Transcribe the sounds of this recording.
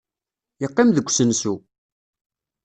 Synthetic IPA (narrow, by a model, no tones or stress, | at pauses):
jəqːimðəkʷːsənsu